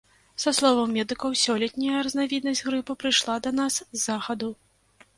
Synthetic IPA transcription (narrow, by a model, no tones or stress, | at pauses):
sɐslˠɔvɐwːʲɛd̪ɨkɐwsʲɔlʲɛt̪ʲnʲɐjɐɾɐznavʲid̪nɐzʲɣɾɨpɨpɾɨjʂlˠad̪ɐnaszːaxɐd̪u